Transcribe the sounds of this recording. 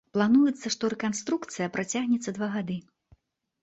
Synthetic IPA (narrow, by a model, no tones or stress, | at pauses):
plˠanujɛt̪sːɐʂt̪ɔɾɛkanst̪ɾukt̪sɨjɐpɾʔat͡sʲaɣnʲɛt̪sːɐd̪vaɣad̪ɨ